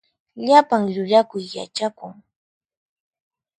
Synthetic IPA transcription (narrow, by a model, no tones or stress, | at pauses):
ʎapaŋʎʊʎakʊjːa̰t͡ʃakʊŋ